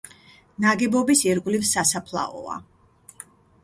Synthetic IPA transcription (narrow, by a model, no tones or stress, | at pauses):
naɡɛbɔbisiɾɡʼvlivsasapʰlˠa̰ɔ̰a̰